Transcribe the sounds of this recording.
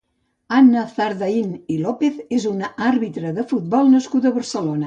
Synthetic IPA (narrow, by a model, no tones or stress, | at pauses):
anːaθaɾðainilɔpeθezunarβit̪ɾəðəfut̪̚bɔlˠnəskut̪əβərsəlonə